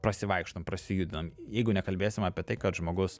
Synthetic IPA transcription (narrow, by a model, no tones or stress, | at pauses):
pɾɐsʲɪʋɐɪkʃt̪ompɾɐsʲɪjuːd̪ʲɪnɐmjɛɪɡʊnʲɛkɐlʲbʲeːsʲɪmɑːpʲiɛt̪ɐɪkɐt̪ʒmoːɡʊs